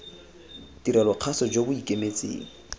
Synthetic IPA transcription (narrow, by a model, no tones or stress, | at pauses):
diɾɛlɔq͡χʰasɔd͡ʒobʊikʼemet͡sʼḛːŋ̩